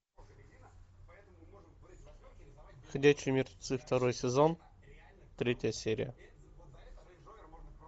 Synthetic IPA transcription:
xʲɐd̪ʲæt͡ɕɪjmʲɪrt̪ʊt̪sɨft̪ɐɾo̞jsʲɪzon | t̪ɾʲetʲjəsʲeɾʲɪ̰jə̰

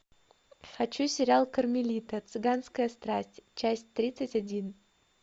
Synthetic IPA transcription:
xɐt͡ɕusʲɪɾʲalˠkərmʲɪlʲit̪ət̪sɨɡanskəjəst̪ɾasʲtʲt͡ɕæsʲtʲt̪ːɾʲit̪sɨtʲɐdʲin

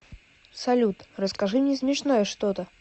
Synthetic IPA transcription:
sɐlʲut̪rəskaʐɨmnʲɛsmʲɛʂnojəʂt̪ot̪ə

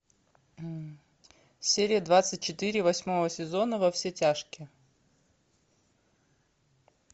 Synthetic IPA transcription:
sʲeɾʲɪjəd̪vat̪sɨt̚ʲt͡ɕɪt̪ɨɾʲɪvɐsʲmo̞vəsʲɪzo̞nəvɐfsʲetʲaʂkʲɪ

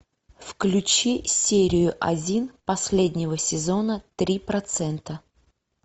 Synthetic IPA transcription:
fklʲʉt͡ɕisʲeɾʲɪjʊʔɐ̰dʲinpɐsʲlʲedʲnʲɪvəsʲɪzo̞nət̪ɾʲipɾɐt̪sɛnt̪ə

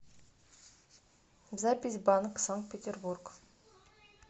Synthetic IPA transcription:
zapʲis̬ʲbanksaŋkt̪̚pʲet̪ʲerburk

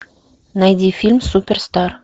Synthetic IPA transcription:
nɑjd̪ʲifʲilʲmsupʲerst̪ɑr

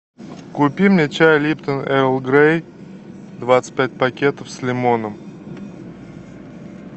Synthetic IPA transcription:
kʊpʲimnʲɪt͡ɕajlʲipt̪ənɛɾlˠɡɾej | d̪vat̪sɨ̥t̚ʲpʲæt̚ʲpɐkʲet̪əfslʲɪmonəm

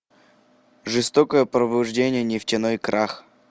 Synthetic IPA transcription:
ʐɨst̪okəjəpɾəbʊʐdʲenʲɪjənʲɪftʲɪnojkɾʔax

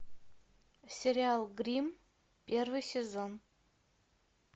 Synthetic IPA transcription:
sʲeɾʲialˠɡrʲim | pʲervɨjsʲezon

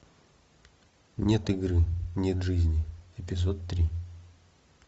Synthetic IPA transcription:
nʲet̪ɨɡɾɨnʲet̪ʐɨzʲnʲɪɪpʲɪzot̪ːɾʲi

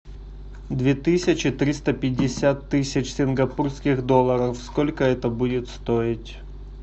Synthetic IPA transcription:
d̪vʲet̪ɨsʲɪt͡ɕɪt̪ɾʲist̪əpʲɪdʲːɪsʲat̪ːɨsʲɪt͡ɕsʲɪnɡɐpurskʲɪɣd̪o̞lˠəɾəfsko̞lʲkəɛt̪əbudʲɪt̪st̪oɪtʲ

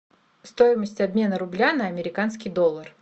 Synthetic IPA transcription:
st̪o̞ɪməsʲtʲɐbʲmʲe̞nəɾʊblʲanəɐmʲɪɾʲɪkanskʲɪjd̪o̞lˠːər

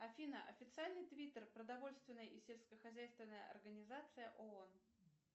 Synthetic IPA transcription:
ɐfʲinəʔɐfʲɪt̪sɨalʲnɨjt̪vʲit̪ərpɾəd̪ɐvo̞lʲst̪vʲɪnːəjəisʲelʲskəxɐzʲæjst̪vʲɪnːəjə̰ʔɐ̰rɡənʲɪzat̪sɨjəʔoon

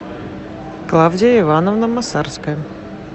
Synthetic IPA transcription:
klˠavdʲɪjəɪvanəvnəmɐsarskəjə

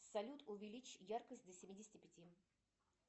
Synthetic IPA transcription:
sɐlʲut̪ʊvʲɪlʲit͡ɕjarkəsʲtʲd̪əsʲɪmʲidʲɪsʲɪtʲɪpʲɪtʲi

